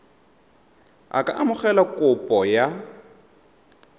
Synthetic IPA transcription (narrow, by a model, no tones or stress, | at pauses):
a̰kʼa̰ʔamʊχɛlakʼʊpʼɔja